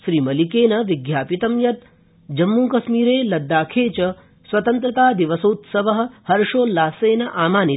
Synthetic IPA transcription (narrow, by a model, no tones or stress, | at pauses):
ʃɾiːmɐlikeːnɐʋiɡjaːpit̪ɐmjɐt̪ | d͡ʒɐmːuːkɐʃmiːɾeːlɐd̪ːaːkʰeːt͡ʃɐ | sʋɐt̪ɐnt̪ɾɐt̪aːd̪iʋɐsoːt̪sɐʋɐɦɐ̆hɐɾʃoːlaːseːnɐʔaːmaːni